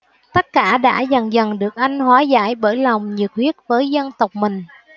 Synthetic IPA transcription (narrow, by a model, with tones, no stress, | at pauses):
t̪ə˦˥t̚kaː˧˩ɗa̰ː˧˥zə˨˩ŋzə˨˩nɗɨ˨˩ək̚ʔa˧jŋ̟hwaː˨˦za̰ː˧˥jɓəː˧˩jla˨˩wŋ͡mɲɨ̰˨˩ək̚hwi˦˥ət̚vəː˨˦jzə˧nt̪ə˨˩wk͡p̚mï˨˩ŋ̟